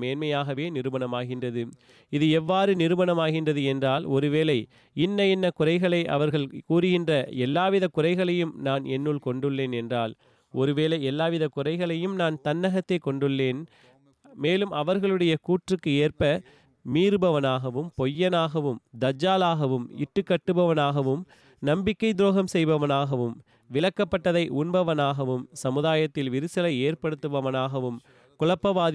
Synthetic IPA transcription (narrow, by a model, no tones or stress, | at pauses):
meːnmɐjaːɣɐʋeːnɪɾɯbɐnɐmaːɣɪndrɐðɯ | ɪðɯɛʋːaːɾɯnɪɾɯmɐnɐmaːɣɪndrɐðɯɛndraːlɔɾɯʋeːlɐɪ | ɪnːɐɪnːɐkʊrɐɪɣɐɭɐɪʔɐ̰ʋɐɾɣɐɭkuːrɯɣɪndrɐɛlːaːʋɪðɐkʊrɐɪɣɐɭɐjɯmnaːnɛnːɯɭkɔɳɖɯɭːeːnɛndraːl | ɔɾɯʋeːlɐɪɛlːaːʋɪðɐkʊrɐɪɣɐɭɐjɯmnaːnt̪ɐnːɐɣɐt̪ːɐɪkːɔɳɖɯɭːeːn | meːlɯmʔɐʋɐɾɣɐɭɯɽɐjɐkuːʈrɯkːɯeːrpɐ | miːɾɯbɐʋɐnaːɣɐʋɯmpɔjːɐnaːɣɐʋɯmd̪ɐd͡ʒːaːlaːɣɐʋɯmɪ̰ʈːɯkːɐʈːɯbɐʋɐnaːɣɐʋɯm | nɐmbɪkːɐɪd̪ɾoːɣɐmsɛjʋɐʋɐnaːɣɐʋɯm | ʋɪɭɐkːɐpːɐʈːɐðɐɪʔʊnbɐʋɐnaːɣɐʋɯmsɐmɯðaːjɐt̪ːɪlʋɪɾɯsɐlɐɪeːɾpɐɽɯt̪ːɯʋɐʋɐnaːɣɐʋɯm | kʊɻɐpːɐʋaːð